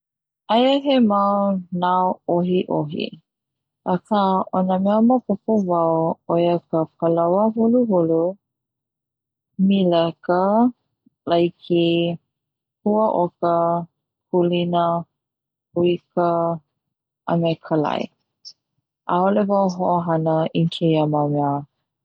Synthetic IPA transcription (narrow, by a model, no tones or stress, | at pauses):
ʔajəɦemawnaoɦiʔo̰ɦḭ | akaʔonəmɛəmapopovawojəkəkəlawəɦuluɦulu | miləkə | lajkʰi | huəʔokə | kʰulinə | huikə | ʔə̰mekʰəla̰j̰ | ʔaolevawɦoʔoɦɐnəʔinkʰejəmawmɛə